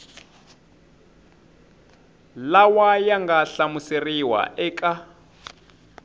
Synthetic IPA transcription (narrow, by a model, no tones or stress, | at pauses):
lawajaŋɡaɬamuseriwa̰ʔɛːkʼa